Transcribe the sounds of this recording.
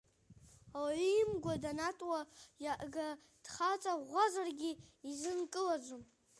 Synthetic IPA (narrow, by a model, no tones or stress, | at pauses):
awaɥimɡʷadanatʼwajaʔɡa | d̥χat͡sʼaʁʷazarɡʲiizɨnkʼɨlad͡ʒʷum